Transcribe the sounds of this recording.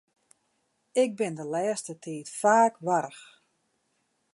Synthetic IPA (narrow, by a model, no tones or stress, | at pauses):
ɪk̚bɪndəlɛːstətʰiːtfaːkʋaɾəx